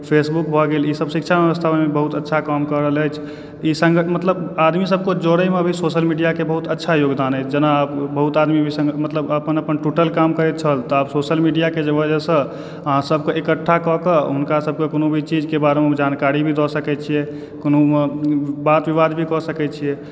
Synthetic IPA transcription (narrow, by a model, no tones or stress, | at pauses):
pʰesbukbʱɔɡelisəbsikt͡ʃʰabeʋəst̪ʰabəmebəɦut̪ətːʃʰakamkəɾəɦələjt͡ʃʰ | isə̃ŋɡəmət̪ləbad̪misəb̚kod͡ʒoɽəmeəbʱisoʃəlmiɖijakebəɦut̪ətːʃʰajoɡd̪anət͡ʃʰd͡ʒənapbəɦut̪ad̪mibʱisə̃ŋɡmət̪ləbəpənəpənʈuʈəlkamkəɾɛt̪̚t͡ʃʰəlt̪ɔabsosəlmiɖijaked͡ʒəbəd͡ʒəsə̃ | əɦãsəb̚keʔekəʈʰːakɔkəɦunkasəb̚kekonobʱit͡ʃid͡ʒkebaɾemed͡ʒankaɾibʱid̪ɔsəkɛt̪̚t͡ʃʰijɛ | konomebat̪ʋiʋad̪bʱikɔsəkɛt̪̚t͡ʃʰijɛ